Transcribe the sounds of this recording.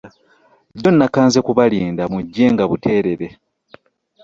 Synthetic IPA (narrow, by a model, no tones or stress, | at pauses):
do̞nːakaːnzekuβaliːndamuɟːe̞ːŋɡaβutʰe̞ːɾe̞ɾe̞